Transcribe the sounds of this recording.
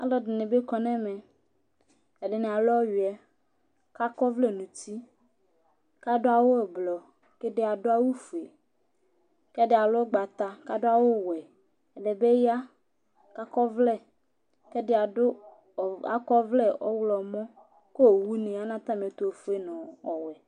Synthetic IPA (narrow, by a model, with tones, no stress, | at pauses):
a̰˦lɔ˦dɪ˨nɪ̃˨be˦kɔ˨nɛ̃˦mɛ˨ | ɛ˨ɖɪ˨nẽ˨a˨lɔ˦ɥi˨ɛ˦ | ka˦kɔ˦vlɛ˦nũ˨t̪i˦ | ka˦dʊ˦a˨wo˦ɛ˨blɔ˨ | ke˦dɪ˦a˨dʊ˦a˦wu˦fu˨e˨ | kɛ˦dɪ˦a˨lʊ˦o˦ɡ͡ba˨t̪a˨ka˦dʊ˦a˦wo˦wɛ˨ | ɛ˨ɖɛ˨be˦ja˦ | ka˦kɔ˦vlɛ˦˨ | kɛ˦dɪ˦a˨ʊ˦˨ | a̰˨kɔ˦vlɛ˦ʔɔ˦wlɔ˨mɔ̃˦ | ko˦o˨wu˦nĩ˨a˦nã˦t̪a˦mẽ˨t̪o˦˨fu˦e˦nɔ̃˨ɔ˨wɛ˨